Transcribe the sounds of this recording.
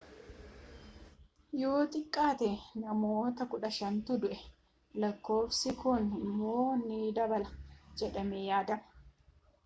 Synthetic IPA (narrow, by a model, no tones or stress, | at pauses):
jo̞ːt̪ʼɪkʼːaːt̪ɛnɐmoːt̪ɐkʊᶑɐʃɐnt̪ʊd̪ʊʔɛ | lɐkːo̞ːfsɪkʊnɪmːoːnːid̪ɐbɐlɐd͡ʒɛᶑɐmejaːd̪ɐmɐ̥